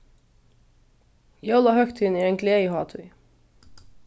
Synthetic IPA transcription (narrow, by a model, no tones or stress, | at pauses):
jolɑhœkt̪ʰɪniːeːŋkʰleɪhɑːt̪ʰʉ̰ʏ